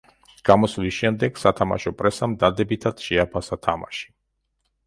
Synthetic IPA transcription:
ɡ̥amɔslisʃɛmd̪ɛɡ̥sat̪ʰama̰ʃɔpʼɾɛsamd̪ad̪ɛbit̪ʰad̪ʃɛapʰasat̪ʰama̰ʃi̥

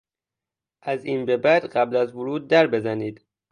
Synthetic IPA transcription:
ʔæziːnbebæd̪ɢæblæzvoɾuːd̪̚ːæɾbe̞zæniːd̪̥

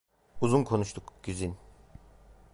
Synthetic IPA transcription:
uzunkʰo̞nuʃt̪ʰukɟ̥yzyn

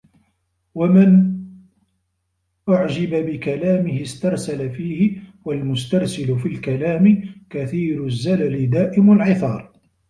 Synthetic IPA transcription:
wamɪn | ʔʊʕd͡ʒɪbabɪkalaːmɪhɪst̪ɑɾˤsalafiːhɪwalmʊst̪ɑɾˤsɪlʊfilkalaːmɪkaθiːɾʊzːalalɪd̪aːʔɪmʊlʕɪθɑ̰ːɾˤ

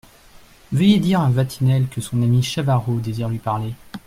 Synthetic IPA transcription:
vəjed̪iʁɛ̃vat̪ʰinɛlkəsɔ̃namiʃavaʁod̪eziʁlɥipaʁle

